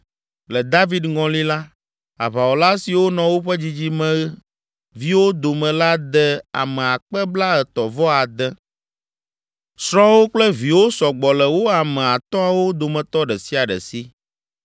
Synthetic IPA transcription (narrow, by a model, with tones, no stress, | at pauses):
lɛ˨d̪a˦vi˦d̪ŋɔ̃˨li˦la˦ | a̰˨βa˨wo˨la˦si˨wo˦nɔ̃˨wo˦ɸɛ˦d͡ʑi˦d͡ʑi˦mɛ̃˦ | vi˦wo˦d̪o˨mɛ̃˨la˦d̪ɛ˦a̰˨mɛ̃˨a˨k͡pɛ˦bla˦ɛ˨t̪ɔ˨vɔ˦a˨d̪ɛ˦ | sɾɔ̃˦wo˦k͡plɛ˦vi˨wo˦sɔ˨ɡ͡bɔ˨lɛ˨wo˦a˨mɛ̃˨a˨t̪ɔ̃˦a˨wo˦d̪o˨mɛ̃˨t̪ɔ˦ɖɛ˨si˦a˨ɖɛ̰˨si˦